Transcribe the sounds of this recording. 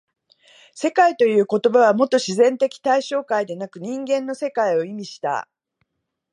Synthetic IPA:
se̞kait̪o̞jɯ̟ːko̞t̪o̞baβ̞amo̞t̪oɕizẽ̞nt̪e̞kʲi̥t̪aiɕo̞ːkaid̪e̞nakɯ̟ɲ̟ĩŋɡẽ̞nːo̞se̞kaio̞imʲiɕi̥t̪a̰

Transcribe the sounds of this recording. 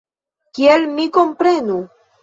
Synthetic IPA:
kielmiko̞mpɾe̞nu

